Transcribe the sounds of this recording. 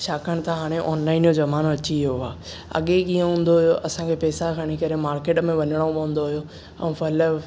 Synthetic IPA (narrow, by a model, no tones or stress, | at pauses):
ʃʰaːkʰəɽ̃t̪aɦaːɽ̃eʔɔːnlaːɪnjozɐmaːnoɐt͡ɕioaː | ɐ̰ɠekĩːə̃ɦũːn̆d̪oɦʊjoʔɐsãkʰepɛːsakʰɐɽ̃ikɐɾemaːɾkeːʈmẽʋɐɲəɽ̃opɐ̃ːn̆d̪oɦʊjo | ɛ̰̃ːfɐlə